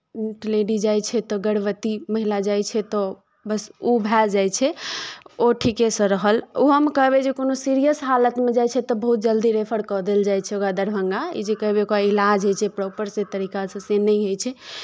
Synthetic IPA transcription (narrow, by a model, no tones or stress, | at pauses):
ʈileɖid͡ʒajt͡ʃʰɛt̪ɔɡəɽbət̪iməɦilad͡ʒajt͡ʃʰɛt̪ɔ | bəsubʱɛld͡ʒajt͡ʃʰɛ | oʈʰikesə̃ɾəɦəloɦəmkəɦbed͡ʒekonosiɾijəsɦalət̪med͡ʒajt͡ʃʰɛt̪ɔbəɦut̪̚d͡ʒəld̪iɾepʰəɽkɔd̪eld͡ʒajt͡ʃʰɛokɾad̪əɾbʱəŋɡaḭd͡ʒekəɦbekoailad͡ʒɦojt͡ʃʰɛpɾɔpəɾset̪əɾikasə̃senəjɦojt͡ʃʰɛ